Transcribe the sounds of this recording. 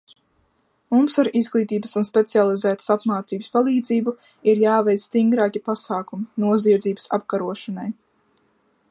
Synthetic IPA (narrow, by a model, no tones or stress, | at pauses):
mumsaɾizɡlˠiːt̪iːbəsunspʲet̪sialˠizæːt̪ə̥sapmaːt̪siːbə̥spalˠiːd̪ziːbu | iɾjaːvɛjt̪st̪iŋɡɾaːkʲipasaːkuminuɔziɛd̪ziːbə̥sa̰p̚kaɾuɔʃanaj